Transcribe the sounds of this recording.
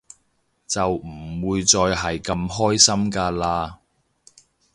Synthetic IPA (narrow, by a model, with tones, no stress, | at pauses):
t͡sɐ˨wm̩˨˩˨wuː˧jt͡sɔː˧jɦɐ˨jkɐ˧mɦɔː˥jsɐ˥mkaː˧laː˧